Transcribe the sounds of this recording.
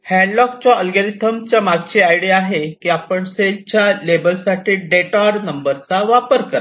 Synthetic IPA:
hɛ̃ɳɖlɔk̚t͡ɕaəlɡəɾit̪ʰəmt͡ɕjamaɡt͡ɕeajɽiaɦekiapəɳset͡ɕjalebəlsaʈʰiːɖeʈaɾnəmbəɾt͡saʋapəɾkəɾ

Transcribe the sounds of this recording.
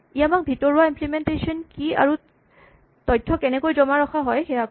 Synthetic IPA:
ijamak̚bʱitɔɹuaimplimentesɔnkia̰ɹu | tɔjtʰːɔkɛnɛkojzɔmaɹɔxʰaɦɔjxɛak

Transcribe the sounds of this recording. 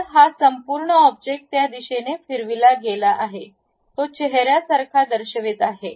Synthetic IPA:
ɾɦasəmpuɾɳəɔb̚d͡ʑek̚ʈ̚t̪jad̪iɕenefiɾʋilaɡelaʔaɦe | t̪ot͡ɕɛɦɾjasaɾkʰad̪əɾɕəʋit̪aɦe

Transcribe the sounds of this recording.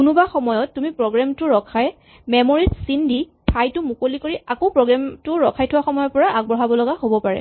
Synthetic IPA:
kunʊbaxɔmɔjɔtːumipɹɔɡɹamtʊɹɔkʰaj | mɛmoɹitsindi | tʰajtʊmukolikoɹiakopɹɔɡɹamtʊɹɔkʰajtʰʊwaxɔmɔjɔpɔɹaʔaɡ̚bɹɔɦabɔlɔɡahobɔpaɹɛ̰

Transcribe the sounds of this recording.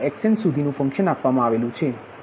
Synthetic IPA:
ɛkʃənsud̪ʱinũfə̃ŋkʃənapʋamãaʋelũt͡ʃʰe

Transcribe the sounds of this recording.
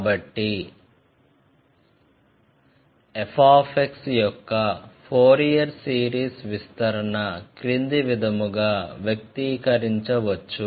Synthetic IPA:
kːbɐʈːi | epʰaːpʰeksjɔkːɐpʰoːɾijjɐɾsiːɾiːsʋist̪ɐɾɐɳɐkɾind̪iʋid̪ʱɐmuɡaːʋjɐk̚t̪ikɐɾiɲt͡ʃɐʋɐt͡ʃːu

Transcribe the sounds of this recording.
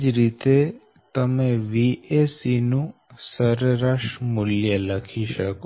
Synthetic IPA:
d͡ʒɾit̪e | t̪əmẽʋiesinũ | səɾɾaʃʈmʊljələkʰiʃəko

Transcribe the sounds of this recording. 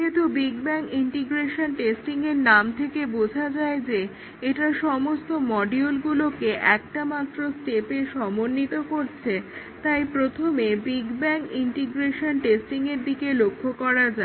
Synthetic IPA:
it̪ubiɡbɛŋkiɳʈiɡɾeʃonʈesʈiŋeɾnamt̪ʰekebod͡ʑʱad͡ʑaed͡ʑe | eʈaʃɔmost̪omɔɖiolɡulokeʔɛk̚ʈamat̪ːɾosʈepeʃɔmonːit̪okoɾt͡ɕʰe | t̪ajpɾot̪ʰomebiɡbɛŋkiɳʈiɡɾeʃonʈesʈiŋeɾd̪ikelokʰːokɔɾad͡ʑae

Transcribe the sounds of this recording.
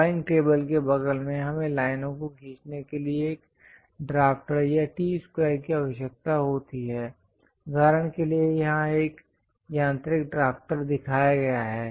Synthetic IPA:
aɪnʈeːbəlkebɐɡəlmẽɦɐmẽlaːɪnõkokʰĩːt͡ʃnekelieeːk | ɖɾaːpʈəɾjaʈiːspɾaːɪkiaʋəʃjək̚t̪aɦoːt̪iɦɛː | ɡʱɐɾəɽ̃keliejɐɦãeːk | jãːnt̪ɾɪkɖɾaːfʈəɾd̪ɪkʰaːjaɡɐjaɦɛː

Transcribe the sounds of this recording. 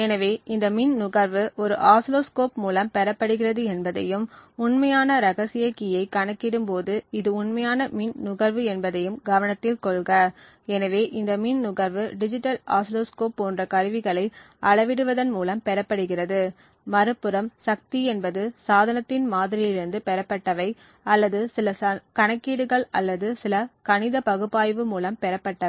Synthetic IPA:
ɛnɐʋeːʔɪnd̪ɐminnʊɣɐɾʋɯʔɔɾɯʔaːsloːskoːpmuːlɐmpɛɾɐpːɐɽɯɣɪrɐðɯɛnbɐðɐjɯmʊɳmɐjaːnɐɾɐɣɐsɪjɐkːijɐɪkːɐɳɐkːɪɽɯmpoːðɯɪðɯʊɳmɐjaːnɐminnʊɣɐɾʋɯɛnbɐðɐjɯmɡɐʋɐnɐt̪ːɪlkɔɭɣɐ | ɛnɐʋeːʔɪnd̪ɐmiːnnʊɣɐɾʋɯɖɪd͡ʒɪʈːɐlʔa̰ːsloːskoːpːoːndrɐkɐɾɯʋɪɣɐɭɐɪ | ʔɐɭɐʋɪɽɯʋɐðɐnmuːlɐmpɛɾɐpːɐɽɯɣɪrɐðɯ | mɐɾɯpːɯɾɐmsɐk̚t̪iɛnbɐðɯsaːðɐnɐt̪ːɪnmaːðɪɾɪlɪɾɯnd̪ɯpɛɾɐpːɐʈːɐʋɐɪ | ɐlːɐðɯsɪlɐkɐɳɐkːiːɽɯɣɐɭɐ̰lːɐðɯsɪlɐkɐnɪðɐpɐɣɯpːaːjʋɯmuːlɐmpɛɾɐpːɐʈːɐ

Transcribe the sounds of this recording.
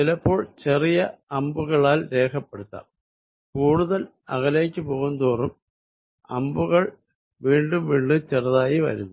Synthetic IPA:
silɐpːo̞ːɭt͡ɕe̞rijɐɐmbuɣɐɭaːlɾe̞ːkʰɐpːe̞ɽut̪ːɐ̰ | kuːɽuðɐl | ɐ̰ɣɐleːkʲːɨpo̞ːɣund̪oːrum | ɐ̰mbuɣɐɭ | ʋiːɳɖumʋiːɳːɨt͡ɕerɐðaːjiʋɐ̰ɾṵnːu

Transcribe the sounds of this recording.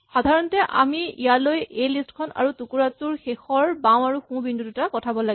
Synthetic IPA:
xadʱaɹɔntɛʔa̰miijalojejlistkʰɔna̰ɹutukuɹatuɹxexɔɹbãw̃aɹuxũbindʱudutakɔtʰabɔlaɡ

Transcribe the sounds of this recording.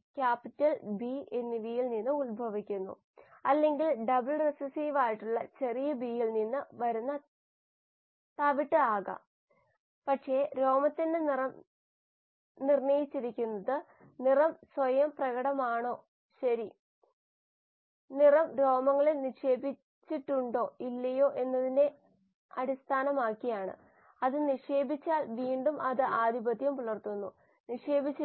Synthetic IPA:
kʲaːpːitːɐlbiʔenːiʋijilninːɨulbʱɐʋikʲːunːṵ | ɐlːe̞ŋɡilɖɐbɨɭresɐsiːʋaːjiʈːuɭːɐt͡ɕe̞rijɐbijilninːɨʋɐɾunːɐ | t̪ɐʋiʈːɨaːɣɐ̰ | pɐʈʂe̞ɾo̞ːmɐt̪ːinderɐm | nirɳɐjit͡ɕːiɾikʲːunːɐðɨ | nirɐmsʋɐjɐmprɐɣɐɽɐmaːɳo̞ː | ɕɐɾi | nirɐmɾo̞ːmɐŋːɐɭeniʂe̞ːbi | t͡ɕːiʈːuɳɖo̞ːilːɐjo̞ːʔe̞nːɐðine̞ | ɐɾist̪ʰaːnɐmaːkːijaːɳɨ̰ | ɐðɨniʂe̞ːbit͡ɕːaːlʋiːɳɖumʔɐðɨʔaːd̪ʱibɐd̪ʱjɐmpuɭɐrt̪unːu | niʂe̞ːbʱit͡ɕː

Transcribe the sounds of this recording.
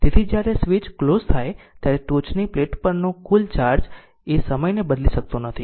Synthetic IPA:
t̪et̪ʰid͡ʒjaɾesʋit͡ʃklozt̪ʰaj | t̪jaɾeʈ̪ot͡ʃnipleʈpəɾnõkult͡ʃaɾd͡ʒ | esəməjnebəd̪liʃək̚t̪onət̪ʰi

